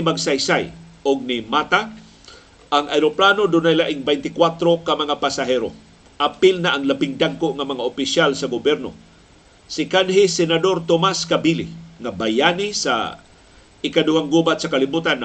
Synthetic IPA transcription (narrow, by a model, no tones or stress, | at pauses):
maɡsajsaj | ʊɡ̚nɪmat̪a | ʔaŋajɾoplanod̪ʊnajlaʔɪŋbɛjnt̪ɪkwat̪ɾokamaŋapasaɦɛɾo̰ | ʔapɪlnaʔːŋlabɪŋd̪aɡ̚koʔŋamaŋaʔopɪʃjalsaɡobɛɾno | sɪkanɦɪsɛnad̪oɾt̪omaskabilɪ̰ŋabajanisa̰ | ɪkadʊwaŋɡubat̪̚sakalibuːt̪an